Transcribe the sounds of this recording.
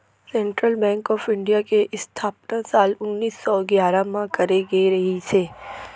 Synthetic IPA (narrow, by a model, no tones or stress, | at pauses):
sɛ̃ːɳʈɾəlbɛ̃ːŋkɔːfɪ̃ɳɖijakeʔɪst̪ʰaːp̚nasaːlʊnːiːsːɔɡjaːɾamãkɐɾeɡeɾɐɦisʰeː